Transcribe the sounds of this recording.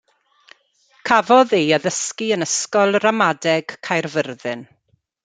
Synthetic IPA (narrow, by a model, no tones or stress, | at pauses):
kʰavɔðiːəðəskiənəskɔlˠramadɛɡ̥kʰajrvərðɨn